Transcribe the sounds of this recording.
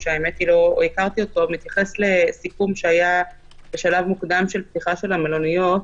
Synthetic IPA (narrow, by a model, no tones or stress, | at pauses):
ʃeaemet̪ilo̞o̰ikaʁt̪io̞t̪o̞vmit̪jaχe̞sle̞sikumʃeaja | beʃalavmukd̪amʃe̞lpt̪iχaʃe̞lamelonujo̞t